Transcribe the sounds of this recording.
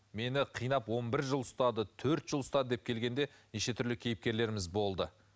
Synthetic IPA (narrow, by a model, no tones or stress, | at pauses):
me̞nɪqʰijnɑpwo̞nbɪɾʒəlˠʊst̪ɑd̪ət̪ʰɵɾt̪ʒ̥əlˠʊst̪ɑd̪əd̪e̞p̚kʲʰe̞lɡʲe̞nd̪e̞ | neʃe̞t̪ʰʏɾlɪkʲʰe̞jɪp̚kʲe̞ɾle̞ɾɪmɪzbo̞lˠd̪ə